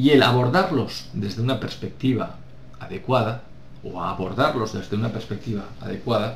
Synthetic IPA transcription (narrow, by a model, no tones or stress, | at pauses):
ie̞laβo̞ɾðaɾlo̞zðe̞zðeunape̞ɾspe̞k̚t̪iβa | aðe̞kwaða | oaβo̞ɾðaɾlo̞zðe̞zðe̞unapeɾspek̚t̪iβaa̰ðe̞kwaða